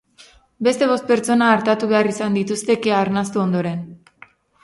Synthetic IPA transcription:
be̞st̪e̞β̞o̞st̪̚pe̞ɾt͡ʃo̞naːɾt̪at̪uβe̞arisand̪it̪ust̪e̞ke̞aɾnast̪uo̞nd̪o̞ɾe̞n

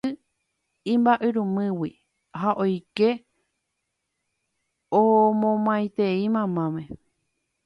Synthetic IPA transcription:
ɨ | ĩmbaʔɨɾũmɨ̃wi | haʔojke | omõmãjt̪eimãmãmẽ

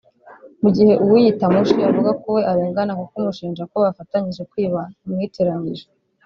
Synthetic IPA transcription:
muɟihe̞ʔuwijitamuʃiavuɡakowe̞ʔaɾeːŋɡanakukumuʃiːnd͡ʒakoβafataɲiʒekwiːβaumŋiːteɾaɲɡiʒo

